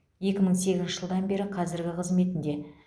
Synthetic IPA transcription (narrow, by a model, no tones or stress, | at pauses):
je̞kʲɪməɴse̞ɡʲɪznʃɪʒəlˠd̪ɑnbe̞ɾɪqʰɑzɪɾɡʲɪqʰəzme̞t̪ɪnd̪e̞